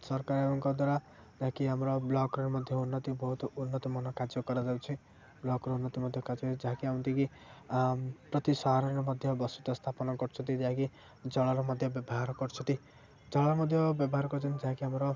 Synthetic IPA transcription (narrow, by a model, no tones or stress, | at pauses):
sɔɾkaɾebɔŋkɔd̪waɾa | d͡ʒaɦakiɦamɾɔblɔkɾɔɾimɔd̪ʱjɔunːɔt̪ibɔɦut̪unːɔt̪ɔmɔnɔkad͡ʒjɔkɔɾad͡ʒabet͡ʃʰi | blɔkɔɾunːɔt̪imɔd̪ʱjɔkad͡ʒɔd͡ʒaɦakiɦaw̃nt̪iki | pɾɔt̪isɔɦaɾɔnɾɔmɔd̪ʱjɔbɔsut̪ɔst̪ʰapɔnɔkɔɾt͡ʃʰɔnt̪id͡ʒaɦãki | d͡ʒɔɭɔɾɔmɔd̪ʱjɔbjɔbɔɦaɾɔkɔɾt͡ʃʰɔnt̪i | d͡ʒɔɭɔɾɔmɔd̪ʱjɔbjɔbɔɦaɾɔkɔɾt͡ʃʰɔnt̪id͡ʒaɦakiɦamɔɾɔ